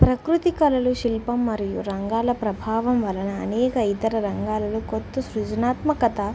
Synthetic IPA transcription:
pɾɐkɾut̪ikɐlɐluʃilpɐmːɐɾijuɾɐŋɡaːlɐpɾɐbʱaːʋɐmʋɐlɐnɐ̰ːnɛːkɐit̪ɐɾɐɾɐŋɡaːlɐlukot̪ːusɾud͡ʒɐnaːt̪mɐkɐt̪ɐ

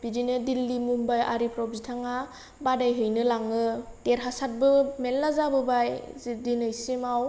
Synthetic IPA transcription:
bidinɯdilːimumbaja̰ɾipɾɔbzitʰaŋa | badajɦɯjnɯlaŋɯteɾɦasat̚bɯmelːazabɯbajzidinɯjsimaw

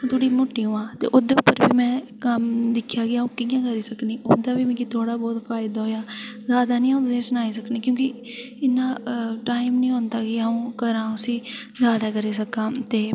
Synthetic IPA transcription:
ũt̪ʰʊɽiːmʊʈːiːũːãːt̪ḛːʔod̪eːʊpːəɾbiːmɛ̃ːkəmd̪ɪkʰːjaːɡɪaːũːkijãːkəɾiːsəkniːʔoːd̪aːbiːmɛ̃ːkit̪ʰoːɽaːbɔːt̪fʰaːɪd̪aːɦoːjaːzjaːd̪aːnĩːãt̪ãːsʊnaːiːsəkniːkjõːkɪ | ɪnːãːʈaːɪmnĩːɦõːnd̪aːkɪaːũːkəɾãːʊsĩː | zjaːd̪aːkəɾiːsəkãːt̪eː

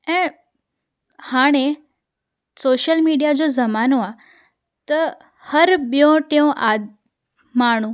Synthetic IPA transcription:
ɛ̃ː | haːɽ̃e | soːʃəlmiːɖijad͡ʑoːzɐmaːnoaː | t̪ɐ | hɐɾɓjõʈeõʔaː | maːɽ̃ũː

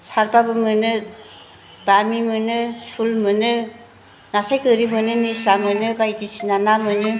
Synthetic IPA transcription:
saɾbabɯmɯnɯ | b̥amimɯnɯsulmɯnɯ | nasajkɯɾimɯnɯnisamɯnɯbajdisinanamɯnɯ

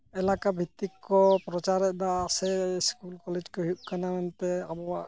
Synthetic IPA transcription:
ɛlakabʱit̪ːikːɔpɾɔt͡ʃaɾɛd̪aːsɛskulkɔlɛd͡ʒkɔɦuʔ̚kanamɛnt̪ɛabɔwa

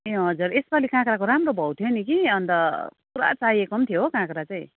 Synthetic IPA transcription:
eɦʌd͡zuɾesbalikãkɾakoɾamrobʱʌwt̪ʰijonikiʌnt̪ʌppuɾa̰t͡saiekʌmt̪ʰijoɦokãkɾat͡saj̃

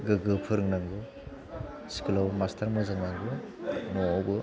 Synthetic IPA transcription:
ɡɯɡɯpʰɯɾɯŋnaŋɡɯ | si̥kɯlawmastʰaɾmɯzaŋnaŋɡɯ | nɔawbɯ

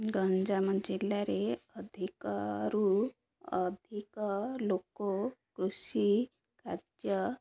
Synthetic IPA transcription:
ɡənd͡ʒamənd͡ʑilːaɾeəd̪ʱikɾu | əd̪ʱiklokokɾusi | kaɾd͡ʒjə

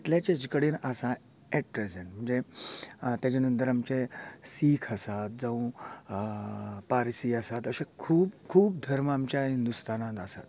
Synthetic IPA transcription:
it̪ljat͡ɕed͡ʑkəɽiːnəsa | eʈ̚pɾezeɳʈm̤əɳd͡ze | t̪jat͡ɕanənt̪əɾamt͡ɕesiːkʰəsat̪̚d͡zaũ | paɾsiəsat̪əsekʰuːbkʰuːb̚d̪ʱəɾmamt͡ɕjaɦind̪ust̪ʰanãt̪asa̰t̪

